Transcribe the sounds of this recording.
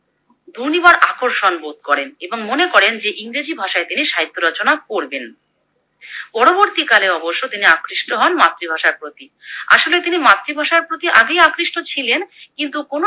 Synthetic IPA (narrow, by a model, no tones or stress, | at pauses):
d̪ʱunibaɾʔakoɾʃonbot̪kɔɾeneboŋmonekɔɾend͡ʑeʔiŋɾed͡ʑibʱaʃaet̪iniʃaɦit̪ʰːoɾɔt͡ɕonak̚oɾben | pɔɾoboɾt̪ikaleɔboʃːot̪iniakɾiʃʈoɦɔnmat̪ːɾibʱaʃaɾpɾot̪i | a̰ʃolet̪inimat̪ːɾibʱaʃaɾpɾot̪iʔaɡejakɾiʃʈot͡ɕʰilenkint̪ukono